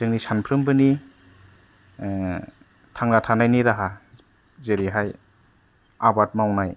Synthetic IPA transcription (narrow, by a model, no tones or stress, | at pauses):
zɯŋnisanpʰɾɯmbɯni | tʰaŋnatʰanajniɾaɦa | zeɾiɦaj | abat̚mawnaj